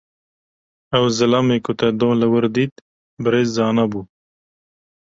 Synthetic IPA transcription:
awzɪlɑmekut̪ad̪õːlawəɾd̪id̪ | bɾezːɑːnabu

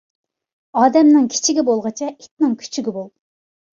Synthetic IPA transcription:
ɑːd̪ɛmnɪŋkʲʰi̥t͡ʃʰiɡʲɛbolˠʁət͡ʃʰɛʔit̪̚nɪŋkʲʰy̥t͡ʃʰyɡʲibolˠ

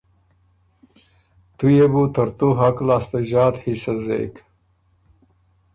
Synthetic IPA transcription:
t̪ujebut̪əɾt̪oɦaklaːst̪aʒɑːt̪hisazḛk

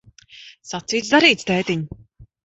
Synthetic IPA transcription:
sat̪siːt̪sd̪aɾiːt̪st̪ɛːt̪iɲu

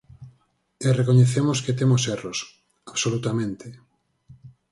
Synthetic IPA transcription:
erekoɲeθemosket̪emoseros | aβsolut̪amẽnt̪e

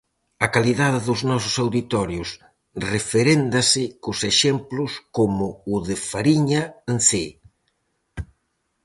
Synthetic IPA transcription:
ɐkaliðaðɪðʊznɔsʊ̥sawðit̪ɔɾjʊs | refeɾend̪asɪkʊseʃemplʊskomʊːðɪfaɾiɲaenθe

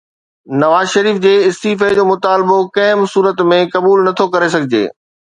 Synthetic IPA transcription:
nɐʋaːzʃɐɾiːfd͡ʑeːɪst̪iːfəd͡ʑoːmʊt̪aːlbokɐɦɪ̃msuːɾət̪mẽkɐbuːlnɐt̪ʰokɐɾes̬ɐɡʱɪd͡ʑḛː

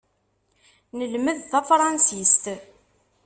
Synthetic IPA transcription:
nəlməðθæfɾˤɑnsist̪

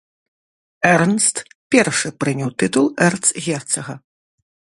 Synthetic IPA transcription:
ɛɾnst̪ | pʲɛrʂɨpɾɨnʲɛwt̪ɨt̪ulˠɛrt̪sɣʲɛrt̪sɐɣɐ

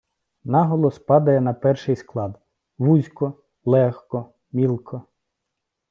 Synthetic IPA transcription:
nɑɦɔlˠɔspɑd̪ɐjɛnɐpɛrʃɪjsklˠɑd̪ | ʋuzʲkɔ | lˠɛxkɔ | mʲilˠkʰɔ

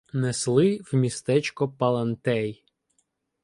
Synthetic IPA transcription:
neslˠɪwmʲist̪ɛt͡ʃkɔpɐlˠɐnt̪ɛj

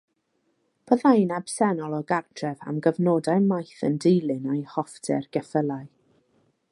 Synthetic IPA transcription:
b̥əðajnab̥sɛnɔlˠɔɡartʰrɛva̰mɡəvnɔːdaɨmajθəndejlˠɨnajhɔftʰɛrɡ̥ɛfəlˠaɨ

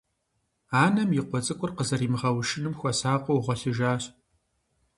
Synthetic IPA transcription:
aːnɐmjɪqʷɔt͡sʼɨkʷʼʊrqəzɐriːmɨʁɐwʃɪnɨmxʷɔsaːqʷʼɔwʁʷɐɬɨʒaːɕʼ

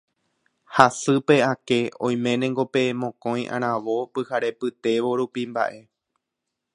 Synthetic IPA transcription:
hasɨpe̞ake̞õ̰j̃mẽ̞nẽŋɡo̞pe̞mõ̞kõ̞j̃ʔã̰ɾ̃ãʋo̞pɨhaɾe̞pɨt̪e̞ʋo̞ɾupimba̰ʔe̞

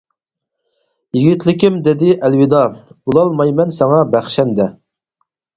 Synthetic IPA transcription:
jiɡʲit̪lɪkʲimd̪ɪd̪ɪʔɛlwid̪ɑbulˠɑlˠmɑjmɛnsɛŋɑbæχʃɛnd̪ɛ

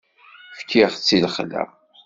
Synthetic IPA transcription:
fkʰːiʁt͡sːilχlæ̰m

